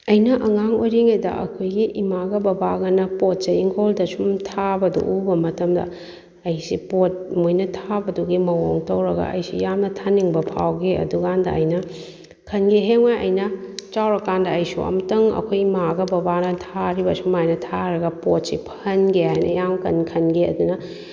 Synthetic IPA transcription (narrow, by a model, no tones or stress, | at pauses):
ɐjnɐʔɐŋaŋojɾiŋedɐ̰ʔɐ̰kʰojɡiʔimaɡɐbɐbaɡɐnɐpot̚t͡ʃɐiŋholdɐsumtʰabɐdṵʔubɐmɐtɐmdɐ̰ | ɐjsipot̚mujnɐtʰabɐduɡimɐwoŋtɐwɾɐɡɐ̰ɐ̰jsḭjamnɐtʰaniŋbɐpʰa̰wɡiɐ̰duɡandɐ̰ɐ̰jnɐ | kʰɐnɡeɦeŋmajʔɐ̰jnɐt͡ʃawɾɐkandɐːjsṵɐ̰mtɐŋɐ̰kʰojimaɡɐbɐbanɐtʰaɾibɐsumajnɐtʰaɾɐɡɐpot̚sipʰɐnɡeɦajnɐ̰jamkɐnkʰɐnɡeɐ̰dunɐ